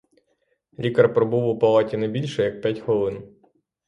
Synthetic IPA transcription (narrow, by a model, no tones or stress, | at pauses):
lʲikɐrpɾɔbuwʊpɐlˠɑtʲinɛbʲilʲʃɛjɐk̚pʲatʲxɔlˠɪn